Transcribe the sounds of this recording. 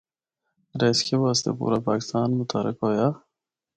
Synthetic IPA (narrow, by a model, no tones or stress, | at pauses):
ɾeskebaːst̪ḛpṵɾapɑːkɪ̥st̪ɑːnmʊt̪ʰɑɾɪ̰kaja